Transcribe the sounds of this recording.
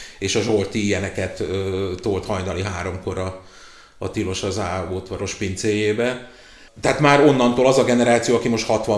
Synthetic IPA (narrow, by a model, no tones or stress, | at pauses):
eːʃɒʒo̞rt̪iijɛnɛkɛt̪øːoːlt̪hɒjnɒliɦaːɾo̞mko̞ɾɒ | ɒ̰t̪ilo̞ʃɒzaːoːt̪ʋɒɾo̞ʃpint̪seːjeːbɛ | t̪ɛɦaːt̪maːɾo̞nːɒnt̪oːlɒzɒɡɛnɛɾaːt̪sijoːɒkimo̞ʃt̪hɒt̪ʋɒ